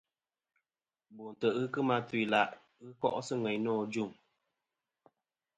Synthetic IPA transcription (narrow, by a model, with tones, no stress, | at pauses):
bo˨n̩˨tə˨ʔɣɨ˦kɨ˦ma˦twi˨la˦˨ʔ | ɣɨ˦kɔ̰˦ʔsɨ˦ŋɛ˨ɲnɔ˦˨d͡ʒu˦˨ŋ